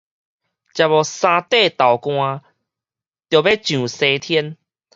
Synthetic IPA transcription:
t͡ɕja˨˧bɔ˨˩sã˧t̪e˥˧˨t̪a˨˩wkw̃ã˧ | t̪jo˨be˦t͡ɕjũ˨˩se˧t̪ʰjɛ˦n

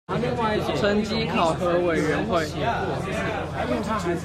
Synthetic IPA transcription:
li˥˧ŋwa˥˧ɪi˧˩˨ʈ͡ʂʰə˥nt͡ɕi˥kʰɑ˨˩ʊxɤ˧˥we˨˩ɪɻə˧˦˥nxwe˥˩ɪ˧˥˧

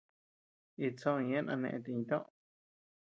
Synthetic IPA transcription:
i˧t͡sõ˦˧ĩ˧ẽ˦nʔã̰˧nḛ̃˧ʔẽ˧t̪i˧ɲĩ˧t̪õ˦ʔ

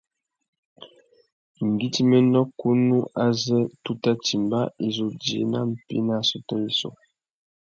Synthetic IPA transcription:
ŋ̩˨ɡi˦ti˦mɛ˦ndɔ˦ku˦nu˦ʔa˦zɛ˦tu˦ta˦ti˨mba̰˦e˨zo˨dḛ˨˦na˦m̩˨pḭ˦na˦˨su˦tɔ˦i˦so̰˨

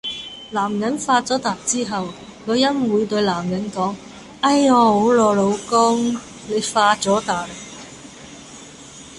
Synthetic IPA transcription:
laː˨˩mjɐ˨˥nfaː˧t͡sɔː˨˥t̪aː˨˩k̚t͡siː˥ɦɐ˨w | kɔː˨˧jɐ˥nwuː˨˧jt̪ɵ˧ɥlaː˨˩mjɐ˨˥nkɔː˨˥ŋ | ɐ˧˥jɔː˨˧ho˨˥wlɔː˨˧lo˨˧wkʊ˥ŋ | le˨˧jfaː˧t͡sɔː˨˥t̪aː˨˩k̚

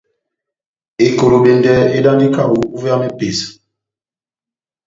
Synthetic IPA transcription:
e˨ko˨ɾo˨ɓe˨ndɛ˨e˦da˦ndi˦ka˦˨u˨u˦va˦me˦pe˨s

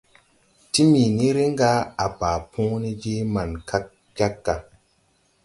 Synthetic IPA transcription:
ti˦mi˨ni˦ɾi˦ŋ˦ɡa˦a˨pa˨pʰũ˦ni˦d͡ʒi˦ma˨nka˦k̚ | d͡ʒa˦kːa˨

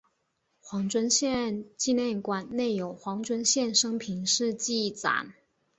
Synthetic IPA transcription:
xwɑ˧˥ŋʈ͡ʂwə˥nɕjɛ˥˧nt͡ɕi˥˧njɛ˥˩nkwa˨˩nne˥˩ɪjo˨˩ʊxwɑ˧˥ŋʈ͡ʂwə˥nɕjɛ˥˩nʂɤ˥ŋpʰi˧˥nʂɻ̩˥˧t͡ɕi˥˩t͡sa̰˨˩˦n

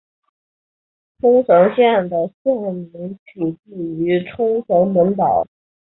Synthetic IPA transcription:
ʈ͡ʂʰʊ˥ŋʂɤ˧˥ŋɕjɛ˥˩nd̪ə˩ɕjɛ˥˩nmi˧˥ŋt͡ɕʰy˨˩t͡ɕi˥˩y˧˥ʈ͡ʂʰʊ˥ŋʂɤ˧˥ŋmə˧˥npɑ˨˩˦ʊ

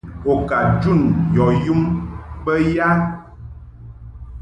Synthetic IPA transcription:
o˨ka˨d͡ʒu˦˨njɔ˨ju˦mbə˦ja˦

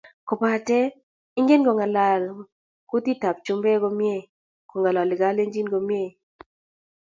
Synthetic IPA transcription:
kɔ˨pa˨tɛ˦ | ɪ˦ŋɡe˦nɡo˨ŋa˨la˨l | ku˦ti˦ta˨p̚t͡ʃu˦mbe˦ɡo˦mje˦˨ | ko˨ŋa˨la˨lɪ˨ɡa˨˦le˦ŋd͡ʒi˦nɡo˨m˦e˦˨

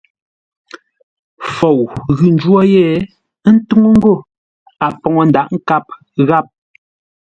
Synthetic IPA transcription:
fo˨wɣʉ˨n̩˨˦d͡ʒwɔ˦jɛ˦˨˦ | n̩˦tu˦ŋo˦ŋ̩˦ɡo˦˨ | a˨ʔpɔ˨ŋɔ˨n̩˦da˨ʔŋ̩˦ka˦p̚ | ɣa˦˨p̚

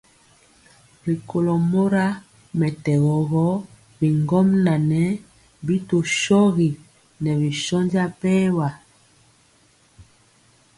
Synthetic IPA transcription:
ɾi˨ko˨lɔ˨mo˦ɾa˦ | mɛ˨tɛ˨ɣɔ˨ɣɔ˦ | bi˨ŋɡɔ˦mna˨nɛ˦ | bi˦to˨ʃɔ˦ɣi˨ | nɛ˨βi˨ʃɔ˦nd͡ʒa˦pɛ˦wa˨

